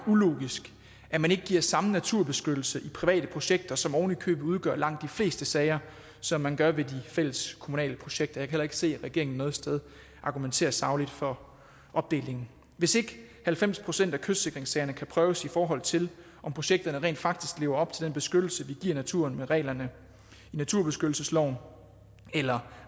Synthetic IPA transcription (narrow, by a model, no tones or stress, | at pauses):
ulo̝̰ːɡ̥isɡ̥ | ʔæmæneɡ̥əɡiɐ̰sɑ̈mənæt͡sʰuɐb̥e̝sɡ̥ød̥l̩səʔipʰʁiʋɛ̰ːd̥əpʰʁo̝ɕeɡ̥̚d̥ɐsɒ̽mɒʊnikʰø̰ːb̥ð̩ˠuð̞ˠɡ̥ɶɐ̰lɑ̈ŋ̰d̥ifle̝̰ːsd̥əsɛːɪɐ | sɒ̽mːænɡ̥ɶɐʋe̝difel̰əskʰo̝munɛ̰ːləpʰʁo̝ɕeɡ̥d̥ɐjɑ̈kʰæhel̰ɐe̝ɡ̥ə̥se̝̰ːʁɛɡ̥e̝ɐeŋn̩nːɔ̽ːð̞̩ˠsd̥eð̞ˠ | ʔɑ̈ɡ̥ument͡sʰe̝̰ːɐsɑ̈ʊlid̥fɒ̽ | ʔɒ̽b̥̚d̥e̝̰ːle̝ŋn̩ | ʋe̝se̝ɡ̥ə | hælfem̰spʰʁo̝sen̰d̥ækʰø̥se̝ɡ̥ʁeŋsɛːɐnəkʰæpʰʁœːʊsifɒːɦɒ̽l̰ˠt͡sʰe̝l | ʔɒ̽mpʰʁo̝ɕeɡ̥̚d̥ɐnəʁɛ̰ːnd̥fɑ̈ɡ̥̚d̥isɡ̥le̝ːʊɐɒ̽b̥t͡sʰe̝ld̥enb̥e̝sɡ̥ød̥l̩səʋiɡ̥iɐ̰næt͡sʰṵːɐnmeʁɛ̰ːlɐnə | inæt͡sʰuɐ̰b̥e̝sɡ̥ødl̩səslɒʊ̰n | elɐ